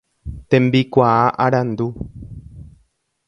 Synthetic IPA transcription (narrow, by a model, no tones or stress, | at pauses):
t̪ẽmbikʷaaʔaɾãnd̪u